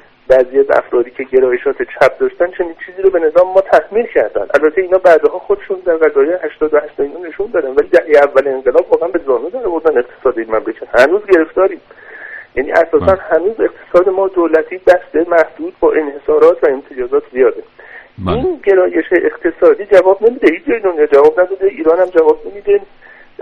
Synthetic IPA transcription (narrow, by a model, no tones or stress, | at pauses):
bæːziːæzæ̰fɾɒːd̪iːcʰe̞ɟe̞ɾɒːjeʃɒːt̪ʰet͡ʃʰæb̚d̪ɒːʃt̪ænt͡ʃʰe̞niːnt͡ʃʰiːziːɾobe̞ne̞zɒːmemɒːt̪ʰæhmiːlcʰæɾd̪æ̰nd̪ʔælbæt̪ʰːeiːnhɒːbæːd̪eɦɒːxod̪eʃund̪æɾʁæzɒːjejhæʃt̪ɒːd̪ohæʃt̪ɒd̪inone̞ʃund̪ɒːd̪ænvæliːd̪æhejeævːæleːŋɢelɒːbvɒːɣeænbe̞zɒːnud̪æɾvoɾd̪æne̞qt̪ʰe̥sɒːd̪eiːnmæmlecʰæt̪hænuːzɟe̞ɾe̞ft̪ɒːɾiːmjæːnḭːʔæsɒːsænhænuːze̞qt̪ʰe̥sɒːd̪emɒːd̪oːlæt̪ʰiːbæst̪emæhd̪̥uːd̪bɒːʔe̞nhe̞sɒːɾɒːt̪ʰvæemt̪ʰed͡ʒɒːzɒːt̪ʰzijɒːɾeinɟe̞ɾɒːje̞ʃeʔeqt̪ʰe̞sɒːd̪iːd͡ʒævɒːbnemiːd̪ehiːt͡ʃʰd͡ʒɒjid̪onjɒːd͡ʒævɒːbnæd̪ɒd̪eʔiːɾɒːnæmd͡ʒævɒːbne̞miːd̪e